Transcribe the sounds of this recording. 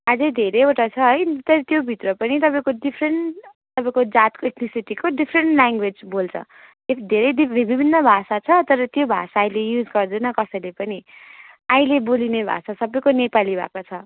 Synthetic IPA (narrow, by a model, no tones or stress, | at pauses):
ad͡zʌd̪ʱeɾejoʈat͡sʰʌɦʌjt̪ʌɾʌt̪jobʱit̪rʌpʌnit̪ʌpaĩkoɖipʰreɳʈ | t̪ʌpãĩkod͡zat̪koeʈrisiʈikoɖipʰreɳʈlaŋɡwed͡zbolt͡sʰʌ̰ | ed̪ʱeɾʌjibʱibʱibʱinːʌbʱasat͡sʰʌt̪ʌɾʌt̪jobʱa̰saːilejud͡zɡʌrd̪unʌkʌsʌjlepʌni | aĩlebolinebʱa̰sasʌbʌjkonepalibʱa̰kot͡sʰʌ